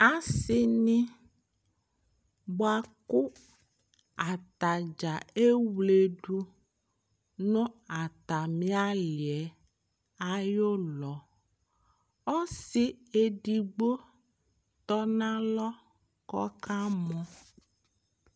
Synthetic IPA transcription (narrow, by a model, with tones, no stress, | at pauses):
a˦si˦nĩ˦ | bo˨˦a˨ku˦ | a˨t̪a˨d͡ʒa˨e˦wle˨ɖu˦ | nɔ̃˦a˨t̪a˨mĩ˦a˦li˨ɛ˨˦ | a˦jo˦lɔ˨˦ | ɔ˦si˦e˨ɖi˨ɡ͡bo˦ | t̪ɔ˦nã˦lɔ˦ | kɔ̰˦ka˦mɔ̃˦